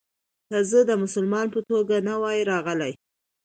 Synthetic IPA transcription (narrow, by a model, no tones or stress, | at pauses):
k̪azəd̪əmʊsəlmɑnpət̪oɡanawɑjɾɑɣəlaj